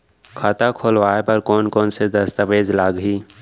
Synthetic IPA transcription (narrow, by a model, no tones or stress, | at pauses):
kʰaːt̪akʰoːlʋaːepɐɾkɔːnkɔːnsed̪ɐst̪əʋeːd͡ʒlaːɡɦiː